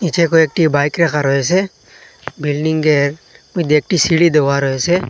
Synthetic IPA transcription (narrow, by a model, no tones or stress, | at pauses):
it͡ʃʰekoeːk̚ʈibaːɪkɾekaɾɔese | bilɖɪŋɡeɾmud̪eːk̚ʈisiɽid̪eʋaɾɔese